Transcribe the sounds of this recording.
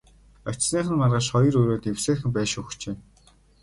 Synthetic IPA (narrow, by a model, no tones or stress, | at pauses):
œ̥t͡ɕsniːχə̆nmarʁăʃχɔjɞ̆ɾɵɾoːt̪ewseːxɘ̆mpæːʃʊxt͡ɕeː